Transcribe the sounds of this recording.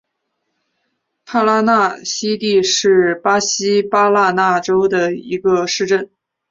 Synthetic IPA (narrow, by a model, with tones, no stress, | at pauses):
t̪ʰa˥˩la˥na˥˧ɕi˥t̪i˥˧ʂɻ̩˥˩pa˥ɕi˥pa˥la˥˧na˥˩ʈ͡ʂo˥ʊd̪ə˨ḭ˧˥ɡə˧ʂɻ̩˥˧ʈ͡ʂə˥˩n